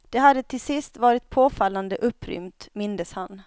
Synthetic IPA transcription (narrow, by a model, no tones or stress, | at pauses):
d̪̥ɛɦad̪ːət̪ʰɪlsɪst̪vɑːɾɪt̪̚pʰoːfalːand̪əʔɵpʰːɾʏ̰mt̪mɪnd̪əshan